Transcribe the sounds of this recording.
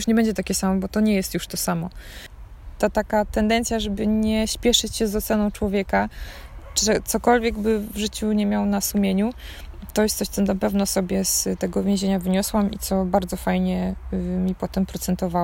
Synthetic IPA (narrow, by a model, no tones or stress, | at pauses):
juʂɲɛbɛɲd͡ʑɛt̪akʲɛsamɔbɔt̪ɔɲɛjɛst̪juʂt̪ɔsamɔ | t̪at̪akat̪ɛnd̪ɛnt̪sʲjaʐɛbɘɲɛɕpʲjɛʂɘt͡ɕɕɛzɔt̪sɛnɔ̃w̃t͡ʂwɔvʲjɛka | t͡ʂʐɛt̪sɔkɔlvʲjɛɡbɘvʐɘt͡ɕuɲɛmʲjawnasumʲjeɲu | t̪ɔjɛst̪sɔɕt̪sɔnapɛvnɔsɔbʲjɛst̪ɛɡɔvʲjẽʑeɲavɘɲɔswamḭt̪sɔbaɾd̪zɔfajɲɛmʲipɔt̪ɛmpɾɔt̪sɛnt̪ɔva